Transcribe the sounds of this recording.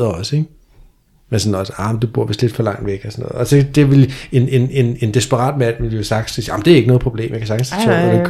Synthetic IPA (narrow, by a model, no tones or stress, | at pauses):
ɐɒ̽səeɡ̥ | mensɒ̽nɒsəɑ̈m̩d̥ub̥uɐ̰ʋe̝sd̥le̝d̥fɒ̽lɑ̈ŋ̰d̥ʋeɡ̥əɒsɒnɔ̽ːð̩ˠɒsed̥e̝ʋele̝ne̝ne̝ne̝nd̥e̝sb̥əʁɑ̰̈ːd̥mæn̰ʋeljosɑ̈ɡ̥ssiɑm̩d̥e̝æɐeɡənɔ̽ðˠpʰʁob̥le̝̰ːmjäkʰæsɑ̈ɡ̥n̩sd̥t͡sʰɔ̰̥æ̥ekʰ